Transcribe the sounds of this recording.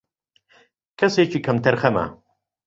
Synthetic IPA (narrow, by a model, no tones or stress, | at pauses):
kʰɐseːt͡ʃʰiːkʰɐmt̪ʰɐɾxɐmɐ̰